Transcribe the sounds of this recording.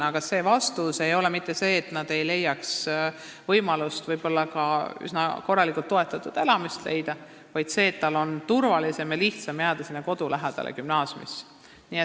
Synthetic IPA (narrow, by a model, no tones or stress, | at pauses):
ɑkɑse̞ːvɑst̪use̞jo̞lɛmit̪ˑːe̞se̞ːt̪nɑd̪̥e̞jle̞jːɑks | vɤjmɑlust̪vɤjb̥o̞lːɑkɑy̰snɑko̞rːɑlikˑult̪ːo̞e̞t̪ːˑɑt̪ːˑud̪̥e̞lɑmist̪le̞̰jd̪̥ɑ | vɑjd̪̥se̞ːt̪ːɑlːo̞nt̪urvɑlise̞mjɑliht̪sɑmjæːd̪̥ɑsinːeko̞d̪̥ulæɦɛd̪̥ɑ̰lḛkymnɑːsʲjmḭs | nie